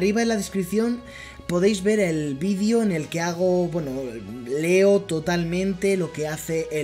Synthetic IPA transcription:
riβ̞aðelaðe̞skɾiθjo̞n | po̞ð̞ejzβe̞ɾe̞lβiðjo̞ene̞lkeaɣ̞o̞bwe̞nole̞o̞t̪o̞t̪almẽ̞nt̪e̞lo̞ke̞aθe̞ʔː

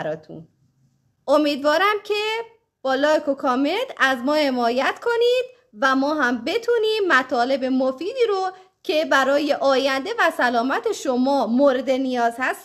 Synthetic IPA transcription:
ɾɒːt̪ʰṵn | omiːd̪vɒːɾæmcʰe̞ | b̥ɒːlɒːekʰokʰɒme̞nd̪æzmɒːhe̞mɒːjæt̪kʰo̞niːd̪̥̚ | væmɒːɦæmbe̞t̪ʰuniːmːæt̪ʰɒːle̞be̞mofiːd̪iːɾo | cʰe̞bæɾɒːje̞ʔɒːjænd̪e̞væsælɒːmæt̪ʰe̞ʃomɒːmoɾed̪e̞nijɒːzhæs

